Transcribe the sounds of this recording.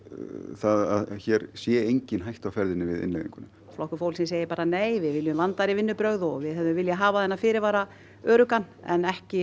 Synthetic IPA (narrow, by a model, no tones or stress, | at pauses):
θaða̰ðçɛɾsjɛejɲcɪnɦajht̪awfɛɾðɪnːɪvɪðɪ̰nlɛjðḭŋkʏnːʏmflɔhkʏ̥fowlsɪns̬eːjɪɾpaːɾaneːjvɪðvɪljʏmvant̪aɾɪvɪnːʏpɾœɣðɔɣvɪðɦɛðʏmvɪljaɦaːvaθɛnːafɪːɾɪɾvaːɾa | œːɾʏkanɛ̰nɛhcɪ